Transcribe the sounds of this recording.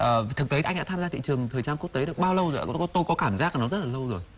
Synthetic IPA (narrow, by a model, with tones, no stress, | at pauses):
ʔəː˨˩t̪ʰɨ˨˩k̚t̪e˨˦ʔa˧jŋɗa̰ː˧˥t̪aː˧mzaː˧t̪ḭ˧˨t͡ɕɨ˨˩əŋt̪ʰəː˨˩jt͡ɕaː˧ku˦˥ək̪̚eː˨˦ɨ˧˩ɓaː˧wlə˧wzo˨˩˨t̪o˧jkɔ˨˦kaː˧˩mzaː˦˥k̚aː˨˩nɔ˨˦zə˦˥t̚laː˨˩lə˧wzo˨˩j